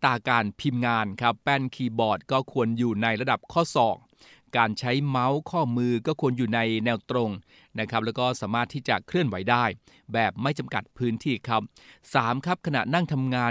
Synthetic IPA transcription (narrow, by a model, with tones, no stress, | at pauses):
t̪aː˨˩kaː˧˩npʰi˧mŋaː˧nkʰa˦˥pːɛː˥˩nkʰiː˧bɔː˨˩t̪̚kɔː˥˩kʰu˧ənjuː˨˩na˧jɾa˧da˨˩p̚kʰɔː˥˩sɔː˨˩k̚ | kaː˧nt͡ɕʰa˦˥jma˦˥wkʰɔː˥˩mɯː˧kɔː˥˩kʰu˧ənjuː˨˩na˧jnɛː˧wt̪ɾo˧ŋ | na˦˥kʰa˦˥p̚lɛː˦˥wkɔː˥˩saː˩˦maː˥˩t̪ʰːiː˥˩t͡ɕa˨˩kʰɾɯ˥˩ənwa˩˦jdaː˥˩j | bɛː˨˩p̚ma˥˩jt͡ɕa˧mka˨˩t̪̚pʰɯː˦˥nt̪ʰiː˥˩kʰɾa˦˥p̚ | saː˩˦mkʰɾa˦˥p̚kʰa˧na̰˨˩na˥˩ŋt̪ʰa˧mŋaː˧